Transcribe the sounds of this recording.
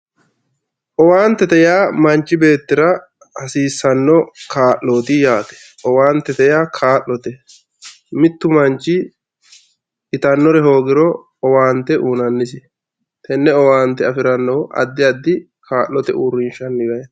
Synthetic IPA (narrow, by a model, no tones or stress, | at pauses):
ʔɔwaːnt̪ːɛt̪ɛjaːmɐnt͡ʃːɪbe̞ːt̪ːɪɾɐ | hɐsiːsːɐnːɔkaːʔːoːt̪ɪjaːt̪ɛ̥ | ɔwaːnt̪ːɛt̪ɛjaːkʰaːʔlɔt̪ɛ | mɪt̪ːʊmɐnt͡ʃːɪ | ɪt̪ɐnːɔɾɛɦo̞ːɡɪɾɔ | ɔwaːnt̪ːɛʔuːnɐnːɪsɪ | t̪ɛnːɛɔwaːnt̪ːɛɐfɪɾɐnːɔʔɐ̰d̪ːɪɐd̪ːɪ | kʰaːʔːɔt̪ɛuːɾːɪnʃɐnːɪɡɐjɐ